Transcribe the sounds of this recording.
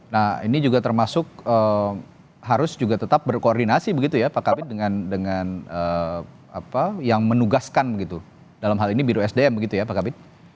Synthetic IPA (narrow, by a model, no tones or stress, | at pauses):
nahḭnid͡ʒuɡat̪ərmasʊk̚əm | ɦaɾʊsd͡ʒuɡat̪ət̪ap̚bərkoɔrdinasibəɡit̪ujapakabɪt̪̚dəŋandəŋanə | apajaŋmənuɡaskanbəɡit̪u | dalamɦalinibiɾoɛsdeɛmbəɡit̪ujapakabɪt̪̚